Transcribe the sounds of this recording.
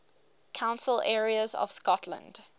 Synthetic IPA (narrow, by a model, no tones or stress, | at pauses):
kʰãʊ̃nsəlɛːɹiəzɔ̰v̥skɔtʰlə̰̃nd̥